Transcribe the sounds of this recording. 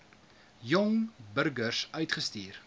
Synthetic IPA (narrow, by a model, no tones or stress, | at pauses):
jɔŋbərɡərsœɥtχəstiːr